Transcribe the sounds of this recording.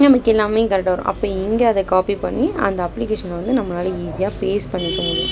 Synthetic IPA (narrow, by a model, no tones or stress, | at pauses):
nɐmɐkːɛlːaːmeːkɐɾɛʈːɐːʋɐɾõ̰ʔɐ̰pːoːɪŋɡeɐðɛkaːpipɐɳːiɐ̰nd̪ɐɐpːlɪkeːʂɐnlʋɐnd̪ɯnɐmːɐnaːlɐiːsɪjaːpeːspɐɳːɪkːʊŋɡɐɽɯ